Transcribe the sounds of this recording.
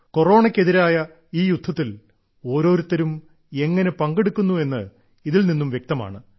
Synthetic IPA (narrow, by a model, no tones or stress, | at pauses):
ko̞ro̞ːɳɐkʲːe̞ðiɾaːjɐ | iːjud̪ʱːɐt̪ːil | o̞ːɾo̞ːɾut̪ːɐɾum | e̞ŋːɐne̞pɐŋɡeɽukːunːue̞nːɨ | iðilninːumʋjek̚t̪ɐma̰ːɳɨ